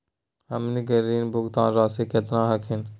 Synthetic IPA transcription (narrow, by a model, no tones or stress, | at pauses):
ɐmniɡəɾiːnbʊɡt̪ãːnɾaːsiːket̪ɾãːɦɐkʰɪn